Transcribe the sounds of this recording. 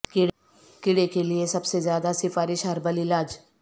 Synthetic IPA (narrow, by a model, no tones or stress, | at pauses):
kɪ | kɪɽekelɪesəbsezjaːd̪asɪfaːɾɪʃɦəɾbəlɪlaːd͡ʒ